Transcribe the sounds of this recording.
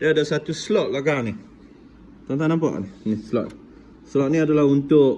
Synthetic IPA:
daadasat̪uslɔʔ̚laɡani | t̪ɔnt̪anãmpa̰ʔninislɔ̰ʔ̪ | slɔʔ̚nĩadalaɦunt̪ʊʔ

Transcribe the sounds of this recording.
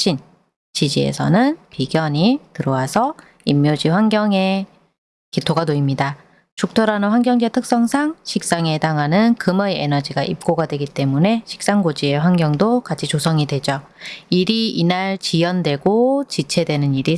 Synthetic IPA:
ɕʰin | t͡ɕid͡ʑie̞̰sʰʌ̰nɯnpiɡjʌɲitɯɾʌwasʰʌ | imːjod͡ʑiɸwanɡʲjʌŋe̞ | kitʰoɡanoimɲida | t͡ɕuk̚tʰoɾanɯnɸwaŋɡjʌŋd͡ʑetʰɯk̚s͈ʌŋsʰaŋɕʰik̚s͈aŋe̞daŋɦanɯnkɯmʌienʌd͡ʑiɡaʔip̚k͈oɡadwe̞ɡit͈e̞mune̞ɕʰi̥k̚s͈aŋɡod͡ʑie̞ɸwanɡjʌŋdokat͡ɕʰit͡ɕosʰʌŋidwe̞d͡ʑo | iɾiinaɭt͡ɕijʌndwe̞ɡot͡ɕit͡ɕʰe̞dwe̞nɯniɾi

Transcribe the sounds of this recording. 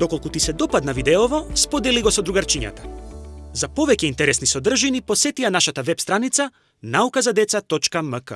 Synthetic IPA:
d̪ɔkolˠkut̪isɛd̪ɔpad̪navid̪ɛɔvɔspɔd̪ɛliɡɔsɔd̪ɾuɡaɾt͡ʃiɲa̰t̪ḁ | zapɔvɛcɛint̪ɛɾɛsnisɔd̪r̩ʒinipɔsɛt̪ianaʃat̪avɛpst̪ɾanit̪sa | naukazad̪ɛt̪sat̪ɔt͡ʃkaməkə

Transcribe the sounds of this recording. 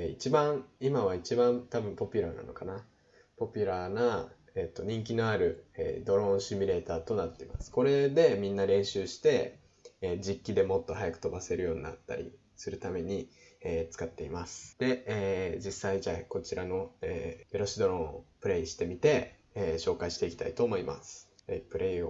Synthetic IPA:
it͡ɕibãɰimaβ̞ait͡ɕibãmt̪abɯ̟̃mpo̞pʲiɾana̰no̞̰kana | po̞pʲiɾaːna | et̪ːo̞ɲ̟ĩŋk̬ʲino̞aɾɯ̟ḛːd̪o̞ɾõ̞ɰ̃ɕimʲiɾe̞ːt̪aːt̪o̞nat̪ːe̞imasɨ̥ko̞ɾe̞d̪e̞mʲĩnːaɾẽ̞ɰ̃ɕɨːɕi̥t̪e̞ | d͡ʑikʲːid̪e̞mo̞t̪ːo̞hajakɯ̟̥t̪o̞base̞ɾɯ̟jo̞ːɲ̟ina̰t̪ːa̰ɾʲḭ | sɨɾɯ̟t̪ame̞ɲ̟i | eːt͡sɨ̥kat̪ːe̞imasɨ̥d̪̥e̞eːd͡ʑisːaid͡ʑako̞t͡ɕiɾano̞eeɾo̞ɕid̪o̞ɾõ̞o̰pɯ̟ɾe̞iɕi̥t̪e̞mʲit̪e̞ː | ɕo̞ːkaiɕi̥t̪eikʲi̥t̪a̰it̪o̞ːmo̞ima̰sɨ̥ | ḛpɯ̟ɾʔe̞io

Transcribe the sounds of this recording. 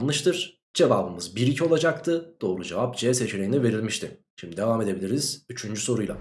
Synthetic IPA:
nlˠɯʃt̪ʰɯɾ̥ | d͡ʒe̞vaːbɯmɯzbiɾicʰio̞lˠad͡ʒak̚t̪ʰɯd̪̥o̞ːɾud͡ʒe̞vap̚d͡ʒeɛse̞t͡ʃʰilʲejinɛve̞ɾilʲmiʃt̪ʰɪ | ʃimd̪id̪e̞vame̞d̪e̞bilʲiɾiz̥yt͡ʃʰynd͡ʒyso̞ɾujlˠa̰

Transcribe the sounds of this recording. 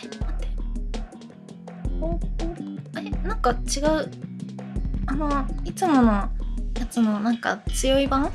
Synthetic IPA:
a | ooenãŋkat͡ɕiɡaɯ̟ | ano̞it͡sɨmo̞no̞jat͡sɨno̞nãŋka̰t͡sɨjo̞ibãŋ

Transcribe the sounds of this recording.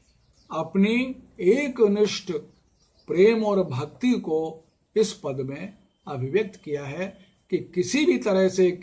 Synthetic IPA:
ɐpnieːknɪʃʈʰ | pɾeːmɔːɾbʱɐk̚t̪iko | ɪspɐd̪mẽ | ɐbʱɪʋjək̚t̪kijaɦɛ | kikɪsibʱit̪ɐɾəɦse

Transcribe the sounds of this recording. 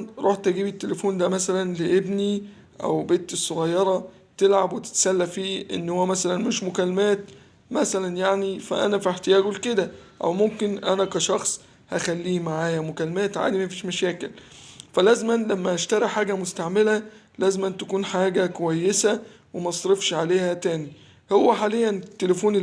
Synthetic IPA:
nɾˤʔuːħt̪æɡiːbit̪ːelefuːnd̪æmæsælænleʔebni | ʔæ̰wbeːt̪ːesˤːoɣɑjːɑɾˤɑ | t̪elʕabwet̪e̥t̪sælːæfiːʔḛnːhowːæmæsælænmeʃmokælːmæːt̪ | mæsælænjaʕnifæ̰ʔæ̰næfiħt̪ejæːɡwelked̪æʔæ̰wmomkenʔænækæʃɑxsˤ | hæxælːiːmaʕaːjæmokælːemæːt̪ʕa̰ːd̪imæfiːʃmæʃæːkelfælæːzmælæmːæʔæʃt̪æɾˤiħaːɡæmost̪aʕmelæ | læːzmʔænt̪ækuːnħaːɡækowæjːesæ | wemæʔsˤɾefʃʕaleːhæt̪æːni | howːæħaːlejːænt̪ːelefuːn

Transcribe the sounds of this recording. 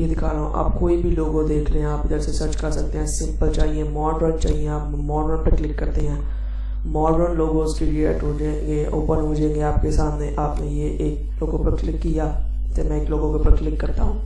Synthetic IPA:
jeːd̪ɪkʰaːlõʔa̰ːpkoːibʱiloːɡõd̪eːkʰɾeɛ̃aːpd͡ʒəɾsesəɾt͡ʃkəɾsək̚t̪eɦɛ̃ːsɪ̃mpəlt͡ʃaːɦieːmɔːɖɾəkt͡ʃa̰ːɦieaːp | mɔːɾoːnpəɾklɪkːəɾt̪eɦɛ̃ː | mɔːɾɾə̃ːnloːɡõsʈiːɖiḛːʈɦoːd͡ʒeɡeo̰ːpənɦoːd͡ʒẽːŋɡeaːpkesaːmneːʔaːpnejeːʔeːk̚ | loːɡõpəɾklɪkːijaː | t̪eːmɛ̃ːeːkloːɡõkopəɾklɪkːəɾt̪aːɦũː

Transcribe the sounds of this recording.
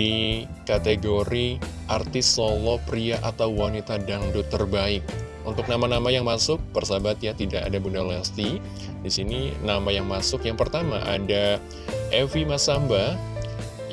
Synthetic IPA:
ikat̪eɡoɾiʔart̪ɪsolɔpɾiaʔat̪awwanit̪adaŋdɔt̪ːərbaɪk̚ | unt̪ʊk̚namanamajaŋmasʊk̚bərsabat̪̚jat̪idaka̰dabundaloast̪i | disininamajaŋmasʊkjaŋpərt̪ama̰ʔa̰da | ʔɛfimasamba

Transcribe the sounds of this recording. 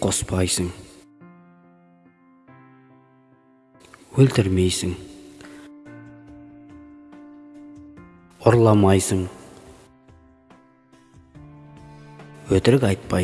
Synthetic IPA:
qʰospɑjsəɴ | wɵlt̪ɪɾme̞jsɪŋ | oɾlˠɑmɑjsəɴ | wɵt̪ɪɾɪkɑjt̪̚pɑ

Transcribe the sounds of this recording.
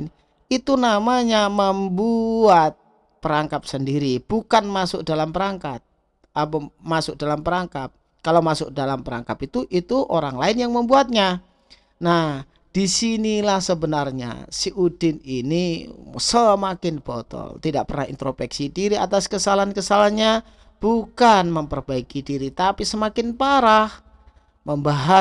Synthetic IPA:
n | it̪unamaɲaməmbuat̪̚ | pəɾaŋkap̚səndiɾib̥ukanmasʊk̚dalampəɾaŋkat̪̚ | abəmasʊk̚dalampəɾaŋkap̚ | kalawmasʊk̚dalampəɾa̰ŋkapit̪uʔit̪uʔoɾaŋlaɪnjaŋməmbuat̪̚ɲa | nah | d̥isinilahsəbənarɲa̰siʔudɪninisəmakɪnb̥ot̪ɔ̰lt̪idaʔpərnahḭnt̪ɾopɛksidiɾiat̪askəsalankəsalaɲa | b̥ukanməmpərbaikidiɾit̪apisəmakɪnpaɾah | məmbaɦa

